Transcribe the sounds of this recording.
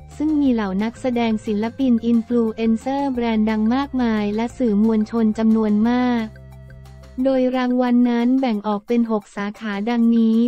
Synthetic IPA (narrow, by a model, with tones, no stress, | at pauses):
sɯ˥˩ŋmiː˧la˩˦wna˦˥k̚sa˧dɛː˧ŋsi˨˩˦nla˧˥pi˧nʔi˧nfluː˧ʔe˧nsɤː˥˩bɾɛː˧nda˧ŋmaː˥˩k̚maː˧jlɛ˦˥sɯː˨˩mu˧ənt͡ɕʰo˧nt͡ɕa˧mnu˧ənmaː˥˩k̚ | doː˧jɾaː˧ŋwa˧nːa˦˥nbɛ˨˩ŋʔɔː˨˩k̚pe˧nɦo˨˩k̚saː˩˦kʰaː˩˦da˧ŋniː˦˥